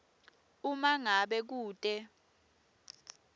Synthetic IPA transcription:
umaŋaɓɛk̬uːtʼɛ

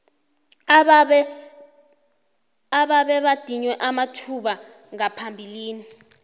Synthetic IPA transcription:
aɓaɓɛɓad̥ʱiɲwɛʔamatʰuɓa | ŋapʰambʱiliːni

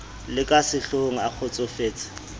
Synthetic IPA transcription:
lɪkʼasɪɬoŋ̩ak͡xʰot͡sʼofeːt͡sʼḁ

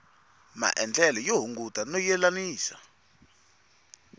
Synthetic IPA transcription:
ma̰ʔɛnd͡ɮɛlɔjoɦuŋɡutʼanɔjɛlaniːsa

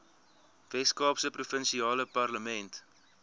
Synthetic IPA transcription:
vɛskɑːpsəprufənʃiɑːləpɐrləmɛnt

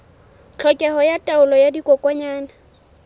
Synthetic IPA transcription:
t͡ɬʰɔkʼɛɦɔjatʼaʊlɔjadikʼɔkʼwɔɲaːna

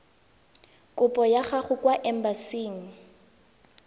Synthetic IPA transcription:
kʼʊpʼɔjaχaχʊkʼwaʔɛm̩basiːŋ̩

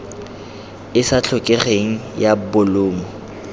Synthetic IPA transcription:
ɪsat͡ɬʰʊkʼeχeŋ̩jabʊlʊːmɔ

